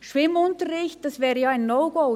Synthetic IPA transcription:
ʃʋɪmʊntəɾɪçt̚d̥ɑsvɛːʁɾəjɑːaɪnːoʊɡoʊ

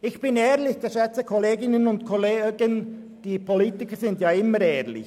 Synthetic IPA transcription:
ɪçb̥ɪnɛːʁlɪçd̥ɛʃɛt͡səkʰoleːɡɪnənʊntkʰoleːɡən | d̥iːpʰoliːtɪkəzɪndjaːɪməɾɛːʁlɪ̰ç

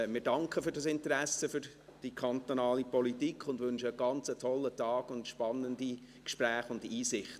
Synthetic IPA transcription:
mɪːɾdɑŋkχəfʏɾdɑsɪntəɾæsəfʏɾ | d̥ikʰɑnt̪onɑːlipɔlitikʰχʊndvʏnʃəːɡ̥ɑnt͡sətʰɔlːətʰɑːɡ̥ʊntʃpɑnːəndi | kʃpræːχʊndiːsɪχt

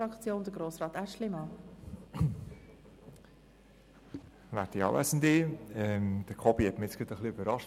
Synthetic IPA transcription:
ɾɑkt͡sjoːnd̥əɡɾoːsrɑːt̪æʃlɪmɑ | ʋæ̰ɾtiɑ̰ːwʔæ̰sən̩d̪iɛmd̥̪əkʰɔbihɛtmɪɪt͡ssɡ̥əd̪əχliøb̥əɾɑʃ

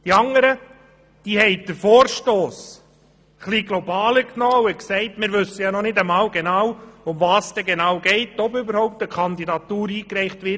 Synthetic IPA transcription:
d̥iɑŋəɾə | d̥iːhɛɪd̥əɾfoːɾʃtoːs | χliɡ̥lɔbɑːləknɔːʊɛksɛɪtmɪːɾʋʉsəjɑnɔnɪdəmɑːwɡenɑːwʊmvɑːsd̥ɛɡenɑwɡɛɪtɔbʏbəɾhɔʊp̚t̪əkʰχɑnd̪idɑt̪uːɾiːkɾɛɪχtʋɪ

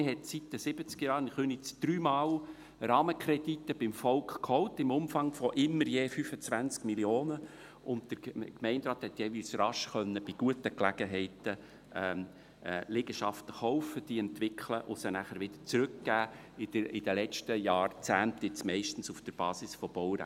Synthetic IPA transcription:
ɪɦɛtsit̪ːəsɪb̥ət͡skjɑːɾnɪχønit͡sd̥ɾyːmɑw | rɑːməkʰɾɛd̥itːəb̥ɪmfɔʊkχkʰhɔʊtɪmʊmfɑŋfɔʔɪmːəɾjeːfyfət͡svænt͡skmiljoːnə | ʔʊntd̥əɾkmɛɪndɾɑːt̪hɛt̪jeːviːlsrɑʃχœnːəb̥iɡ̥uətəklæɡ̥əɦɛɪtə | ɛmː | leɡəʃɑft̪ə̥χɔʊfəd̥iɛntʋɪkʰləʔʊsənæχəɾʋɪd̥̪əɾt͡sɾʏkɡ̥æː | ɪdəɪd̥əlɛt͡ʃtəjɑːɾt͡sæːnt̪ɪt͡smɛɪʃtn̩sufd̥əɾb̥ɑːsɪsfɔb̥ɔwɾæ̰

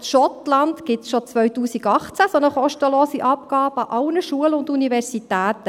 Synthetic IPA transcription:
ʃɔtlɑndɡ̥ɪtsʃot͡sʋœʏɥtuːsiɡɑχt͡sæsonəχɔʃtəloːsiʔɑp̚ɡɑːbəɑʔɑlnəʃuəlʊndunivɛɾsitæːt̪ə

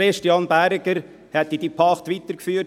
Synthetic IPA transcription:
ɛʃtjɑnbæɾɡəɾ | hɛt̪ːid̪ipʰɑχt̪ʋit̪əɾkfyːt

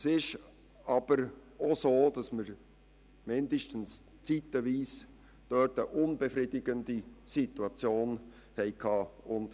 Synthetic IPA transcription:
sɪʃ | ɑːb̥əɾʔosoːd̥ɑsməɾ | mɪndəʃtən̩s | t͡siːtəviːs | d̥œtəʔʊnbɛfɾiːdɪɡəndisituɑt͡sjoːn | hɛɪkʰɑːʊnd

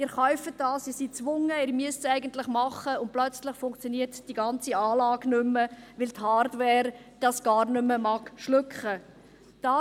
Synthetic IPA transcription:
ɪːɾχœʏfət̚dɑːsiːsit͡sʋʊŋːəɪːɾmyəstsæɪɡəntləχmɑχːəʊnt̚plœt͡sləχfʊŋkt͡sjɔniːərtd̥iɡɑnt͡siɑːlɑːɡnʏmːəʋɪlthɑːɾdwɛːɾd̥ɑsɡ̥ɑːɾnʏmːəmɑkʃlʏkχə | d̥ɑː

